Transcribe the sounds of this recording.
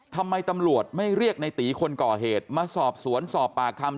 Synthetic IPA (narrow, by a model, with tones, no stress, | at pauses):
t̪ʰa˧mːa˧jt̪a˧mɾu˨˩ət̪̚ma˥˩jɾi˥˩ək̚na˧jt̪iː˩˦kʰo˧nkɔː˨˩ɦeː˨˩t̪̚maː˧sɔː˨˩p̚su˨˩˦ənsɔː˨˩pːaː˨˩kʰa˧m